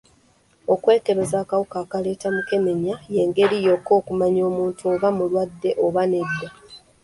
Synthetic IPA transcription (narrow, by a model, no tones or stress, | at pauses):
o̞kwe̞ːke̞βe̞zaːkawukaːkale̞ːtamuke̞me̞ɲaje̞ːŋɡe̞ɾijo̞ko̞ːkumaɲo̞ːmuːntuoβamulwadːe̞ʔo̞βane̞dːa